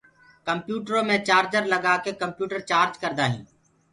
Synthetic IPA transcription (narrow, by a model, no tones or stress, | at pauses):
kəmpjuːʈɾõːmẽːt͡ʃaːɾd͡ʒəɾləɡaːkeːkəmpjuːʈəɾt͡ʃaːɾd͡ʒkəɾd̪aːɦḭ̃ː